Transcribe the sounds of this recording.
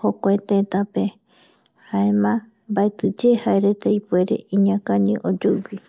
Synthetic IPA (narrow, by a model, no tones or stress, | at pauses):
hokʷoet̪et̪ape | haemã | mbaet̪ɨd͡ʒehaeɾe̞t̪aipueɾe̞̰iɲãkãnĩʔod͡ʒowi